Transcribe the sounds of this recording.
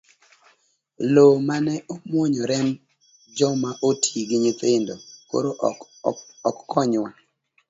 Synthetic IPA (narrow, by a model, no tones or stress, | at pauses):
lomanɛʔomwɔɲɔɾɛm | d͡ʒɔmaʔotʰiɡɪɲit̪endoko̰ɾo | ɔkːʰɔɲwa